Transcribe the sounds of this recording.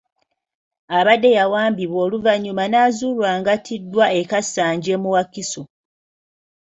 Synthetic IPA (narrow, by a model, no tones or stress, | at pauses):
aβadːe̞jawaːmbiβo̞ːluvaɲumanaːzuːlwaːŋɡatʰidːwaekasːaːɲɟe̞muwakiso